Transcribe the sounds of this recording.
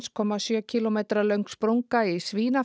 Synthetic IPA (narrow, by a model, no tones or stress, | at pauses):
skʰɔːmasjœːcʰilomejt̪ɾalœɥŋkspɾowŋkaisviːna